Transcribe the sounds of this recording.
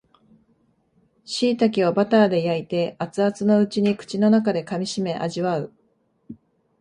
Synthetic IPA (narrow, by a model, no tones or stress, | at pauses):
ɕiːt̪ak̬ʲiβobat̪aːd̪e̞jait̪e̞at͡sɨat͡sɨno̞ɯ̟t͡ɕiɲ̟ikɯ̟̥t͡ɕino̞nakad̪e̞kamʲiɕime̞ʔa̰ʑiβaɯ̟